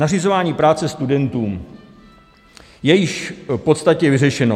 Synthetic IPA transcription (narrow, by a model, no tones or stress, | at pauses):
nar̝izo̞vaːɲiːpɾaːt͡sɛst̪udɛnt̪uːm | jɛjɪʃpo̞t̪st̪acɛvɪrɛʃɛno